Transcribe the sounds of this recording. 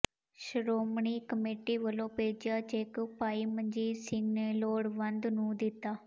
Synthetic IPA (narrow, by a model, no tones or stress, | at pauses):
ʃəɾoːmɳiːkəmeːʈiːʋəlõːpeːd͡ʒjaːd͡ʒeːkpaːiːməɲd͡ʒiːsɪŋɡneːloːɽʋənd̪nũːd̪ɪt̪ːaː